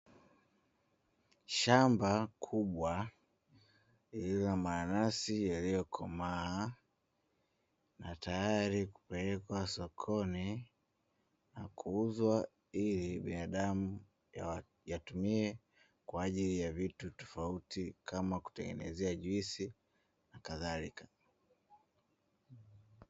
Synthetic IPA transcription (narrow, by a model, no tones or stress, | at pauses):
ʃambakʰuɓwa | iliamaːnasijalijɔkʰɔmaː | natajaɾiku̥pɛlɛkwasɔkʰɔni | nakʰuuzwa | iliɓinaɗamu | ja̰ | jatumiɛ | kwaːʄilijavitutɔ̥fautikʰamaku̥tɛŋɡɛ̰nɛ̰zɛaʄwisi | nakaðalikḁ